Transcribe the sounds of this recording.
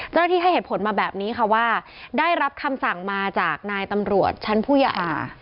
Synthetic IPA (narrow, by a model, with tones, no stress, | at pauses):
t͡ɕa˥˩wna˥iː˥˩ɦa˥˩jheː˨˩t̪̚pʰo˩˦nmaː˧bɛː˨˩p̚niː˦˥ka˧˩waː˥˩ | daː˥˩jɾa˦˥p̚kʰa˧msa˨˩ŋmaː˧t͡ɕaː˨˩k̚naː˧jt̪a˧mɾu˨˩ət̪̚t͡ɕʰa˦˥npʰuː˥˩jaː˧ʔa̰ː˨˩